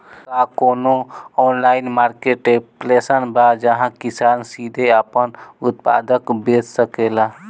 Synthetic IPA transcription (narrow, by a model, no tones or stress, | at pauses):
kakoːnoɔːnlaɪnmaːɾkeʈeplesənbad͡ʒəɦãkisaːnsid̪ʱeaːpənut̪̚pa̰ːd̪əkbed͡ʒsəkela